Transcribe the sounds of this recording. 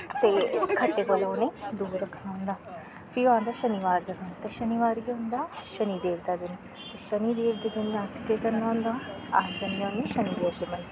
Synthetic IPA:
t̪eːkʰəʈːeːbolaːneːd̪uːɾəkʰnaːʊ̃nd̪aː | pʰiːãːnd̪aːʃəniʋaːɾd̪amənt̪eːʃəniʋaːɾiːõnd̪aːʃəniːd̪eːɾd̪aːd̪ɪn | t̪eːʃəniːd̪eːɾd̪eːd̪ɪnd̪ãːsɪ̥kekəɾnaːʊ̃nd̪aːad͡ʒənːaneːʃəniːd̪eːɾd̪eːmən

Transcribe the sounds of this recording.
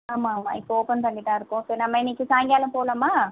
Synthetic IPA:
amaːma̰ːikoːpɐnt̪ɐɳɖiʈaːɾkosenɐmːɐniːkːisaːŋɡjaːlɐmpoːlɐmːaː

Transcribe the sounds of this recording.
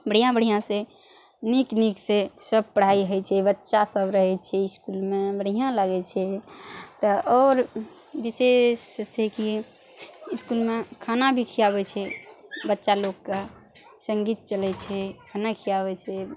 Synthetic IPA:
bəɽ̤ijãbəɽ̤ijãsẽ | nikniksesəb̚pəɽ̤aiɦəjt͡ʃʰɛbətːʃasəbɾəɦɛt͡ʃʰɛiskulmebəɽijãlaɡɛt͡ʃʰɛt̪ɔɔːɾ | bisest͡ʃʰɛki | skulmekʰanabʱikʰijabɛt͡ʃʰɛbətːʃalokːe | səŋɡit̪̚t͡ʃəlɛt͡ʃʰɛkʰanakʰijabɛt͡ʃʰɛ

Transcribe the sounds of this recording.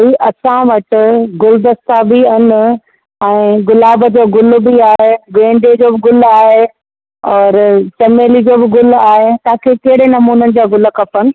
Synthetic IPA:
ɦiʔɐsãʋɐt͡ɕʊ̆ɡʊld̪ɐst̪abɪɐnɪ̆ | ɛ̃ːɡʊlaːbəd͡ʑoːɡʊlʊ̆biaːɦeɡẽːɳɖed͡ʑoːbɪɡʊlaːɦe | ɔːɾt͡ɕɐmeːlid͡ʑoːbɪɡʊlaːɦet̪ãkʰeːkɐɦɪɽenɐmuːnənɪ̆d͡ʑaːɡʊləkɐpənɪ̆

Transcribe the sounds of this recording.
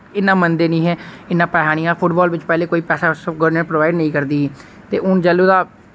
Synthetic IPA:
ɪnːãːmənd̪eːnĩːɦɛːɪnːãːpɛːɦaːɽ̃ijãːpʰʊʈbɔːlʋɪt͡ʃpɛːleːkoːiːpɛːsaːɡəɾɖnəɳpɾoʋaːɪɖnəĩːkəɾd̪iː | t̪eːʔʊnd͡ʒəluːd̪aː

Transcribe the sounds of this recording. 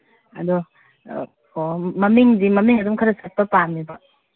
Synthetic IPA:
ɐ̰dɔ | kɔmɐmiŋdimɐmiŋɐdɔmkʰaɾɐsɐt̚pɐpanmiba

